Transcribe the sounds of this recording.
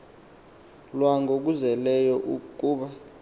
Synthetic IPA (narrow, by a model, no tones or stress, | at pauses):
lwaŋɡʱok̬uzɛlɛjɔʔukʼuːɓa